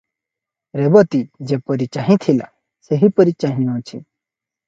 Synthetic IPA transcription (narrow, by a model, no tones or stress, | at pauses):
ɾebɔt̪id͡ʒepəɾit͡ʃaɦĩt̪ʰila̰ | seɦipəɾit͡ʃaɦĩõt͡ʃʰḭ